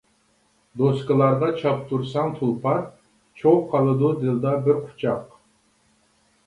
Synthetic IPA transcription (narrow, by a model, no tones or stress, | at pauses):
d̪oskɨlˠɑɾʁɑt͡ʃʰɑp̚t̪ʰuɾsɑŋt̪ʰulˠpʰɑ | t͡ʃʰowqʰɑlˠɨd̪ud̪ɨld̪ɑbɪɾqʰʊ̥t͡ʃʰɑq